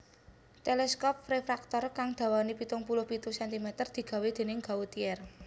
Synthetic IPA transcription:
t̪elɛskɔp̚refɾak̚t̪ɔrkaŋd̪̥ä̤wanipit̪ʊŋpulʊhpit̪usɛnt̪imɛt̪ərd̪̥i̤ɡ̥a̤wed̪̥e̤nɪŋɡa̤ut̪iɛr

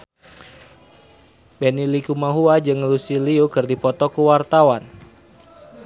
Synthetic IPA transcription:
benilikumaɦuad͡ʒɨŋlusiliukɨrdipɔt̪ɔkəwart̪awan

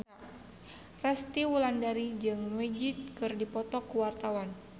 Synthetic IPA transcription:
rɛst̪iwulandaɾid͡ʒɨŋmɛd͡ʒit̪̚kɨrdipɔt̪ɔkuwart̪awan

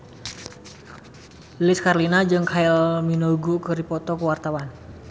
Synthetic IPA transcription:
lɪskarlinad͡ʒɨŋkʰaɪlminɔɡukəɾipɔt̪ɔkəwart̪awan

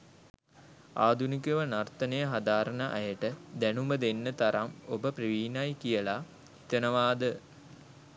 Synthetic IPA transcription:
aːd̪ʱunikəʋənart̪ənəjəɦad̪aːɾənəʔajəʈəd̪ænuməd̪enːət̪aɾamobəpriʋiːnajkijəla | i̥t̪ənəʋaːd̪ə

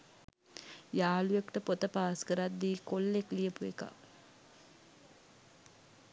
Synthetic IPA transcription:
jaːlujekʈəpot̪əpaːskəɾat̪d̪iːkolːeklijəpueka̰

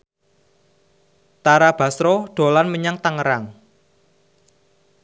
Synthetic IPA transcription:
t̪aɾab̥a̤sɾɔɖ̪̥o̤lanməɲaŋt̪aŋəɾaŋ

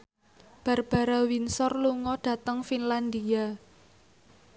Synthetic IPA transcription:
b̥a̤rb̥a̤ɾawinsɔrluŋɔɖ̥ä̤t̪əŋfinland̪ia

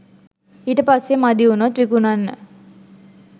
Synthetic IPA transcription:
iːʈəpasːemad̪iunot̪ʋikunanːə̰

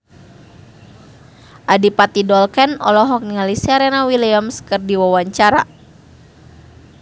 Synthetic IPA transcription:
ʔadipat̪idɔlkɛnɔ̰lɔɦɔk̚niŋalisaɾɛnawilamskɨrdiwawaɲt͡ʃaɾa̰

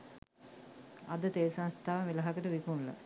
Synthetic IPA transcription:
ɐd̪ət̪eːsanst̪ʰaʋəmilɐɦakəʈəʋikunlɐ̰

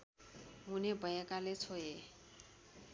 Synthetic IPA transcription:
ɦunebʱʌjekalet͡sʰoje

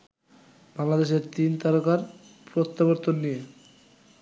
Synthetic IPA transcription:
baŋlad̪eʃeɾt̪int̪aɾokaɾ | pɾot̪ːaboɾt̪onːije

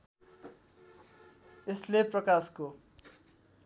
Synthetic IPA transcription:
esleprʌkasko

